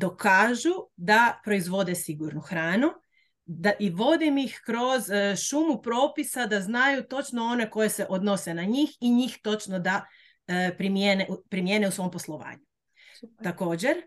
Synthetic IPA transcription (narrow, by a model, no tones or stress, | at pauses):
d̪o̞kaːʒud̪apɾo̞izʋo̞d̪esiɡuɾnuxɾaːnu | d̪aʔiʋo̞d̪imixkɾo̞zʃumupɾo̞ːpisad̪aznajut̪o̞t͡ʃno̞o̞ne̞ko̞je̞se̞ʔod̪no̞se̞naɲixiɲixt̪o̞t͡ʃnod̪a | pɾimjeneupɾimjeːneusʋo̞mpo̞slˠo̞ʋa̰ːɲu | t̪ako̞ːd͡ʑeɾ